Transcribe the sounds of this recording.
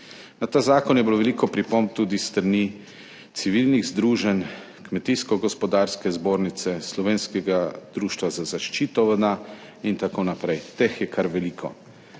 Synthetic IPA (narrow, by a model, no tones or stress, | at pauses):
nat̪aːzaːkɔnjɛbiloʋɛlikɔpɾipomb̚t̪uːd̪ist̪ɾani | t̪siʋilniɣzd̪ɾuːʒɛn | kmɛt̪iskɔɡɔspɔd̪aɾskɛzboːɾnit̪sɛslɔʋeːnskɛɡad̪ɾuːʃt̪ʋazazaʃt͡ʃiːt̪ɔʋəd̪a | int̪akonapɾɛjt̪exjɛkaɾʋɛliːkʰɔ̰